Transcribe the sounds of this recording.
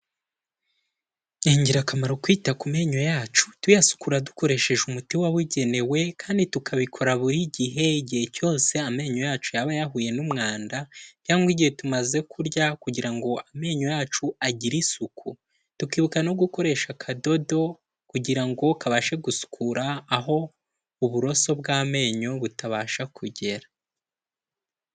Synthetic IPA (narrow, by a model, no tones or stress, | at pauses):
jeːɲɟiɾakamaɾokwiːtakume̞ːɲo̞jaːt͡ʃu̥twujasu̥kuɾaduko̞ɾe̞ʃe̞ʒumutiwaβuɟe̞ne̞we̞kʰaːnditukʰaβikʰo̞ɾaβuɾiɟiɦe̞iɟihe̞co̞ːse̞ame̞ːɲo̞jaːt͡ʃujaβajaɦuje̞numŋaːndacaːŋɡwiɟihe̞tumaze̞kʰuɾɟakuɟiɾaŋɡo̞ame̞ːɲo̞jaːt͡ʃuaɟiɾisukʰu | tukiːβukanoɡuko̞ɾe̞ʃakʰado̞do̞ | kuɟiɾaŋɡo̞kaβaʃe̞ɡusu̥kʰuɾaːɦo̞ | uβuɾo̞so̞bɡaːme̞ːɲo̞βutaβaːʃakuɟe̞ɾa